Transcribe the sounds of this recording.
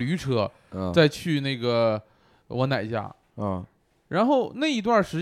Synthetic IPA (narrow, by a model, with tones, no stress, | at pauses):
ly˧˥ʈ͡ʂʰɤ˧˥˧ | t͡sa˥˧ɪt͡ɕʰy˥˧ne˥˩ɪɡə˩ | wɔ˧˥na˨˩ɪt͡ɕja̰˥˩˧ | ɻa˧˥nxo˥˧ʊna˥˩ɪi˧˥t̪̬wa˥˩nʂɻ̩˧˥